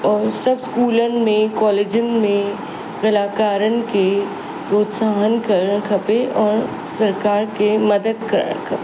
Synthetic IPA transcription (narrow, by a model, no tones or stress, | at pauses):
ɔːɾsɐbskuːlənɪ̆mẽkɔːleːd͡ʒən̆mẽ | kɐlaːkaːɾənɪ̆ke | pɾoːt̪saːɦənkɐɾə̃kʰɐpeʔɔːɾ | sɐɾkaːɾkemɐd̪əd̪kɐ̰ɾə̰ɽkʰɐpe